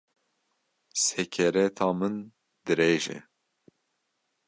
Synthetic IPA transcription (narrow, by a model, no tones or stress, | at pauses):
sɛkʰɛɾɛt̪ʰɑːmɨn | d̪ɨɾeːʒɛ̰